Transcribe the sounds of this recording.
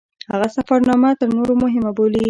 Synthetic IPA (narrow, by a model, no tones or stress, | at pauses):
haɣasafaɾnɑmat̪əɾnoɾomʊɦɪmaboli